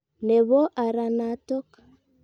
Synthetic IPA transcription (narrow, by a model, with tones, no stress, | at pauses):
ne˨βo˦ʔa˨ɾa˨na˦to˦ka